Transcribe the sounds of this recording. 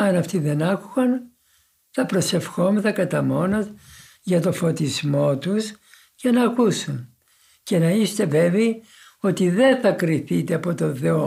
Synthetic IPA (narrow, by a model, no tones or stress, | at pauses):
ɐnɐft̪iðe̞nɐkuɣɐn | θɐpɾo̞se̞fxo̞meθɐkɐt̪ɐmo̞no | ʝɐt̪o̞fo̞t̪izmo̞t̪us | ce̞nɐːkusun | ce̞nɐist̪e̞ve̞ve | o̞t̪iðe̞θɐkɾiθit̪eɐpo̞t̪o̞nθe̞o